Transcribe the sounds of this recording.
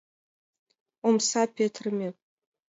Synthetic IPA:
umsapʲʰetʰrmʲep

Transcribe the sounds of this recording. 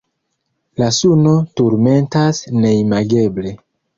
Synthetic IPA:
lasuno̞tuɾme̞ntasne̞imaɡe̞ble̞

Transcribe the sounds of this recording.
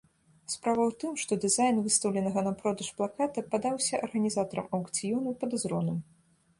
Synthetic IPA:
spɾavɐwt̪ɨmʂt̪ɔd̪ɨzajnvɨst̪ɐwlʲɛnɐɣɐnɐpɾɔd̪ɐʂplˠakat̪ɐpad̪awsʲɐʔɐrɣɐnʲizat̪ɐɾɐ̰mɐwk̪t͡sʲijɔnupɐd̪azɾɔnɨm

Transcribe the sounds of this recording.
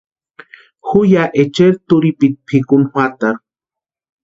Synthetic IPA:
xujaʔet͡ʃeɾt̪uɾipit̪̚pʰikunhwat̪aɾ

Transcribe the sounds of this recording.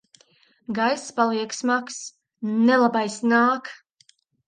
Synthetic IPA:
ɡajspalˠiɛksmaks | nɛlˠabajsnaːk

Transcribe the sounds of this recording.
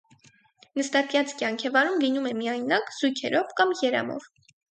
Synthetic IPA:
nəst̪ɑk̪jɑt͡skjɑŋkʰɛvɑɾumlinumɛmiɑjnɑkz̥ujkʰɛ̰ɾʔɔvkɑmjɛɾɑ̰mɔ̰v

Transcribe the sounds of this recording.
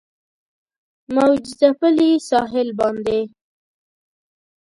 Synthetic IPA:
mawd͡ʒɪzapəlisɑɦɪlbɑnd̪e

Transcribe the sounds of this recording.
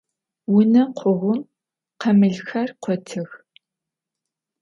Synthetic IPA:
wʊnɐqʷʰʊʁʷʊm | qɐmɨɮxɐrqʷɔtʰɨx

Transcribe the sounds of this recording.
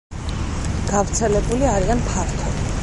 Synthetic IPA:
ɡ̥avt̪sʰɛlɛbuliaɾianpʰaɾt̪ʰɔ

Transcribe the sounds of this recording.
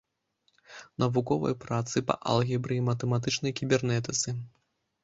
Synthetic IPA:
nɐvukɔvɐ̰jpɾat̪sɨpɐ̰ʔa̰lˠɣʲibɾɨjimɐt̪ɛmat̪̬ɨt͡ʂnɐjkʲibʲɛrnɛt̪ɨt̪sɨ

